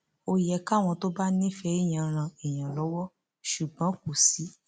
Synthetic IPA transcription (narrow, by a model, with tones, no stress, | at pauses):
o˧jɛ˧ka˦˨w̃ɔ̃˧to˦ba˦nĩ˦˨fɛ˧˦i˦˨j̃ã˧ɾ̃ã˧i˨j̃ã˨lɔ˨˦wɔ˦ | ʃu˨ɡ͡bã˨˦ku˨si˨˦